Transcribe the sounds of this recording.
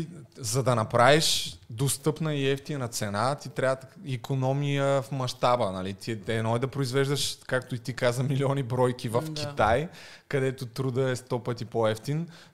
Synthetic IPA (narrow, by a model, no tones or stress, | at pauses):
zɐd̪ɐnɐpɾaviʃd̪ost̪ɤpnəiɛft̪inɐt̪sɛnat̪it̪ɾʲat̪ikʰonɔmijəfmɐʃt̪abənɐlit̪iɛɛnɔɛd̪ɐpɾoizvɛʒd̪əʃkakt̪oit̪ikazəmiliɔnibɾɔjkivəfk̟it̪aj | kɐd̪ɛt̪ot̪ɾud̪əɛst̪ɔpɤt̪ipoɛft̪in